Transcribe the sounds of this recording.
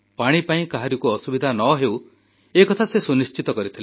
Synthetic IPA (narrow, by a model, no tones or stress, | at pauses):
paɽ̃ipaĩkaɦaɾikuɔsubid̪ʱanɔɦew | ekɔt̪ʰasesunist͡ʃit̪ɔkɔɾit̪ʰile